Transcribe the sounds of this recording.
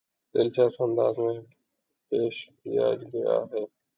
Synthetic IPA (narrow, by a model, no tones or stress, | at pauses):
t̪eːlt͡ʃʰaːsõə̃nd̪a̰ːzmẽː | peːʃ | ija̰ːd͡ʒɡəja̰ːɦeː